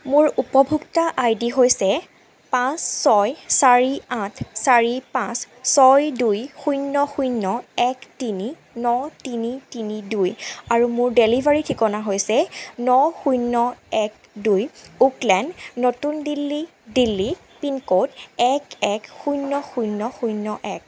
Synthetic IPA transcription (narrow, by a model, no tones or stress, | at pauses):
mʊɹupɔbʱuktaʔajdiɦojsɛ | pãsːɔjsaɹiãtʰsaɹipãsː | ɔjdujxujnːɔxujnːɔɛktini | nɔtinitinidujaɹumʊɹdelivʱaɹitʰikɔnaɦojsɛnɔxujnːɔɛk̚ | dujuklɛndnotundilːi | dilːi | pinkotɛkɛkxujnːɔxujnːɔxujnːɔʔɛk̚